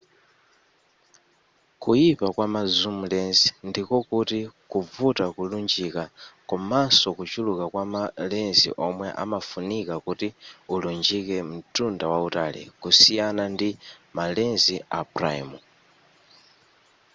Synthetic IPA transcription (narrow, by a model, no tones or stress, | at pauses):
kujipakwamazumulɛnzi̥ndikɔkutikuvutakulund͡ʒikakɔmasɔkut͡ʃulukakwamalɛnzḭʔɔmwɛʔa̰mafunikakutiulund͡ʒikɛm̩tʰundawautalḭkusijanandimalɛnzia̰bra̰ḭmu